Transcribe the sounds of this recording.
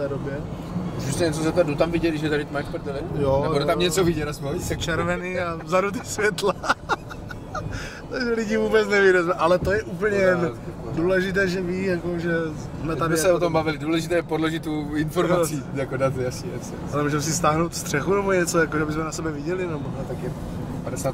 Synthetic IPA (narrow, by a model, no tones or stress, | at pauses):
t̪ɛːdobjɛ | sɪst̪ɛɲɛt͡sozɛpt̪aɾdut̪amvɪɟɛɪʃjɛt̪aɾɪt̪omajkpɛɾt̪ɛlɪjoɛjt̪amɲɛt͡sovɪɟɛtasmoɛt͡ʃɛɾvɛniːazadut̪̬isvjɛt̪la | t̪aɡʒɛlɪɟɪvuːbɛt͡snɛviːɾazmɛʔalɛt̪ojɛʔup̬l̩ɲɛjɛnduːlɛʒɪt̪̬ɛːʒɛviːjakoʒɛ | smɛadɛot̪ombavɪlɪduːlɛʒɪt̪ɛːɛpodloʒɪt̪oɪnfoɾasijakodat̪jasɲiɛs | alɛmuʒɛmɛs̬ɪst̪aːɦnowt̪fst̪r̝̥ɛxunɛboɲɛt͡sojakoʒɛabɪsmɛnasɛbɛvɪɟɛlɪnɛboat̪akjɛ | padɛsaːt̪